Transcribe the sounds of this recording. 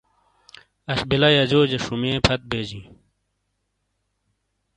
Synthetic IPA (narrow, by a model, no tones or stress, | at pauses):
ɐɕbilɐjɐd͡ʑoːd͡ʑeʂumẽːpʰɐt̪̚beːd͡ʑĩː